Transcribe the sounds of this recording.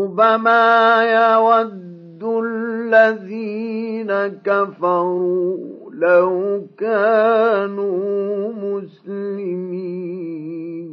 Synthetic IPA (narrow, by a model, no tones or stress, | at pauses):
ʊbamaːjawad̪ːʊlːaðiːnakafɑɾuːlawkaːnumʊslɪmiː | n